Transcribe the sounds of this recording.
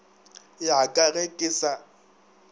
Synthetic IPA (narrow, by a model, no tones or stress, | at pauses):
jakʼarekʼɪsa